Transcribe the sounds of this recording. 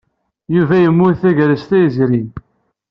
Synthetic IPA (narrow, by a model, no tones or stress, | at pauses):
juvæjəmːʊθæʝɾəst̪æjəzɾin